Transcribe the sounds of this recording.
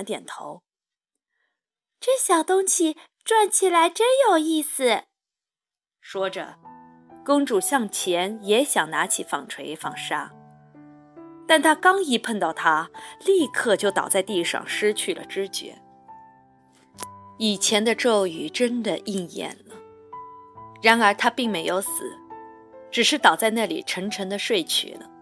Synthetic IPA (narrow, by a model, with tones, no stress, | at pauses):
t̪jɛ˨˩nt̪ʰo̰˧˥ʊ | ʈ͡ʂɤ˥˩ɕjɑ˨˩ʊt̪ʊ˥ŋɕi˨˩ | ʈ͡ʂwa˥˩nt͡ɕʰi˨˩la˧˥ɪʈ͡ʂə˥njo˨˩ʊi˥˩sɹ̩˩ | ʂwɔ˥ʈ͡ʂə̰˩ | kɤ˥ŋʈ͡ʂu˥˩ɕjɑ˥˩ŋt͡ɕʰjɛ˧˥njɛ˧˥ɕjɑ˨˩ŋna˧˥t͡ɕʰi˨˩fɑ˨˩ŋʈ͡ʂʰwe˧˥ɪfɑ̰˥˩ŋʂa˥ | t̪a˥˩nt̪ʰa˥kɑ˥ŋi˧˥pʰə˥˧nt̪ɑ˥˩ʊt̪ʰa˥li˥˧kʰɤ˥˧t͡ɕjo˥˩ʊt̪ɑ̰˨˩ʊt͡sa˥˧ɪt̪i˥˧ʂɑ̰˥˩ŋʂɻ̩˥t͡ɕʰy˥˩lə̰˩ʈ͡ʂɻ̩˥t͡ɕɥɛ̰˧˥ | i˨˩t͡ɕʰjɛ˧˥nd̪ə˧ʈ͡ʂo˥˩ʊy˨˩ʈ͡ʂə˥nd̪ə˨ʔi˥˧ŋjɛ̰˥˩nlə˩ | ɻa˧˥nə˞˧˥t̪ʰa˥pi˥˩ŋme˧˥ɪjo˧˥ʊsɹ̩̰˨˩˦ | ʈ͡ʂɻ̩˨˩ʂɻ̩˥˩t̪ɑ˨˩ʊt͡sa˥˧ɪna˥˩lḭ˨˩ʈ͡ʂʰɤ˧˥ŋʈ͡ʂʰɤ˧˥ŋd̪ə˧ʂwe˥˩ɪt͡ɕʰy̰˨˩nə˧